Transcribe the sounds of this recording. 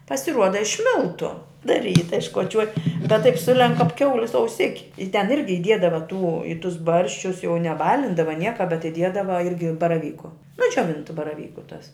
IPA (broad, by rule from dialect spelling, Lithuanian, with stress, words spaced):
pɐsʲɪˈruɔdɐ ɪʃ ˈmʲɪlˠtʊ dɐ ˈrʲiːtɐ ɪʃkoːˈt͡ʃʲuɔj bʲɛt tɐɪp ˈsʊlʲɛŋk kɐp ˈkʲɛʊlʲɪs ɐʊˈsʲɪkʲɪ ɪ tʲɛn ˈɪrʲɡʲɪ ɪˈdʲiɛdɐʋɐ tuː ɪ tʊs ˈbɐrʲʃʲt͡ʃʲʊs jɛʊ nʲɛˈbɑːlʲɪndɐʋɐ ˈnʲiɛkɐ bʲɛt ɪˈdʲiɛdɐʋɐ ˈɪrʲɡʲɪ bɐrɐˈʋʲiːkʊ nʊ d͡ʒʲoːˈʋʲɪntʊ bɐrɐˈʋʲiːkʊ tɐs